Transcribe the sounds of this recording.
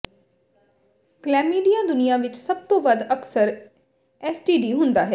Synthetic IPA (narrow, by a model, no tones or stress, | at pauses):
klɛːmːiːɖijãːd̪ʊnijãːʋɪt͡ʃsəb̚t̪õːʋəd̪əksəɾ | ɛsʈiːɖiːɦʊ̃nd̪aːɦɛː